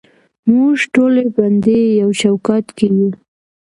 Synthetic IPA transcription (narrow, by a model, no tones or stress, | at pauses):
muʒʈoleband̪ejawʃawkɑt̪keju